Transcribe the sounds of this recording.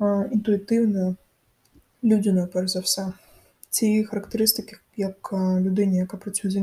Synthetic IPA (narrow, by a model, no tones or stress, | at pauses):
int̪uit̪ɨwnɐ | lʲud͡zʲinɐpɛɾʲɐzɐwsʲa | t͡sʲixɐɾɐkt̪ɨɾɨst̪ɨkʲi | jɐklʲud̪ɛnʲijakɐpɾɐsʲujd͡z̪ʲɐ